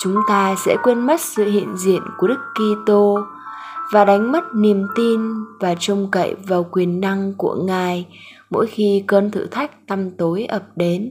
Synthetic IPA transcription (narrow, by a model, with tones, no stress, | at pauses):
t͡ɕʊ˨˦ŋ͡mt̪aː˧sɛ̰˧˥kwe˧nma˦˥t̚sɨ̰˧˨hḭ˧˨ənzḭ˧˨ənku˧˩əɗɨ˦˥kːi˧t̪o˧ | vaː˨˩ɗa˨˦jŋ̟mə˦˥t̚ni˨˩əmt̪i˧nvaː˨˩t͡ɕə˧wŋ͡mkə̰˧˨jvaː˨˩wkwi˨˩ənːa˧ŋku˧˩əŋaː˨˩j | mo̰˧˥jxi˧kəː˧nt̪ʰɨ̰˧˨t̪ʰa˦˥jk̚t̪a˧mt̪o˨˦jʔəː˨˩p̚ɗe˨˦n